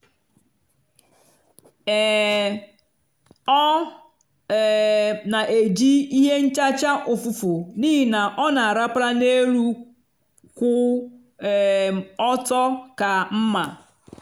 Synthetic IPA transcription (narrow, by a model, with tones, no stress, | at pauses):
ɛ˨ | ɔ˦˨ | na˨ʔe˨d͡ʒi˦i˦ɦe˦n̩˦t͡ʃa˦t͡ʃa˦ʔʊ˨fu˨fʊ˨ni˦ɦi˨na˨ʔɔ˦na˨a˨ɾa˦pɾa˦ne˦ɾu˦ | kʷʊ˦˨ | ɔ˦tɔ˦ka˨m̩˦ma˨